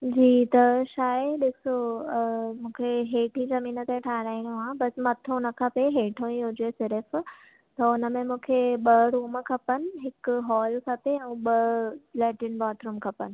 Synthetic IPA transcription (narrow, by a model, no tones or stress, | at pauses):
d͡ʑiːt̪ɐʃaːəɗɪso | mũːkʰeɦeːʈʰĩzɐmĩːnət̪eʈʰaːɦɾaːĩɽoɦãbɐsmɐt̪ʰõnɐkʰɐpeɦeːʈʰõĩɦʊd͡ʑesɪɾəf | t̪ɐʊnəmẽmũːkʰeɓɐɾuːmkʰɐpənɪ̆ɦɪkɦɔːlkʰɐpeɛ̃ːɓɐlɛːʈɪnbaːʈ̪ɾũːmkʰɐpənɪ̆